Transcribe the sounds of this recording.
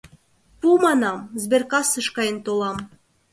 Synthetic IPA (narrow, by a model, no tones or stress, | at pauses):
pumɑnɑmzberkɑsɤʃkɑjənt̪olˠɑm